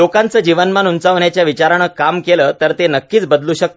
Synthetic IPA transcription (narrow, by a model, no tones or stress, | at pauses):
okãnt͡səːd͡ʑiʋənmanunt͡saʋɳjat͡ɕjaʋit͡ɕaɾaɽ̃əːkamkeləːt̪əɾt̪enəkːiːt͡sbəd̪luːɕək̚t̪